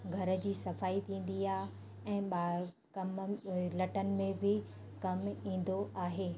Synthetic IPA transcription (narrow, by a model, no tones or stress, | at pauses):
ɡʱɐɾə̆d͡ʑiːsɐfaːit̪ʰĩːn̆d̪iaːɦ | ɛ̃ːɓa | kɐmlɐʈənɪ̆mẽbʱɪ | kɐmĩːn̆d̪oʔaːɦeː